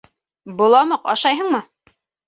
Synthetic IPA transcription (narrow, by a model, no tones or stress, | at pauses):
bŏlˠɑmɤqɑ̰ʃɑjɦɤɴmɤ